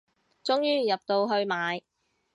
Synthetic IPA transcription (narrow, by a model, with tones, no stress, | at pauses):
t͡sʊ˥ŋjyː˥jɐ˨p̚t̪o˧wɦɵ˧ɥmaː˨˧j